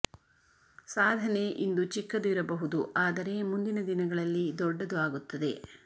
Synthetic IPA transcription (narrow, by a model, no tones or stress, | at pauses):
saːd̪ʱɐne̞ʔind̪ut͡ʃikːɐd̪uiɾɐbɐɦud̪uaːd̪ɐɾe̞mund̪inɐd̪inɐɡɐɭɐlːid̪ɔɖːɐd̪uaːɡut̪ːɐd̪e̞̰